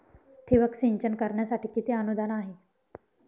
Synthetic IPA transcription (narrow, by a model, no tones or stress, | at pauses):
t̪ʰiʋəksiɲt͡ɕənkəɾɳjasaʈiːkit̪iːənud̪ʱanaɦe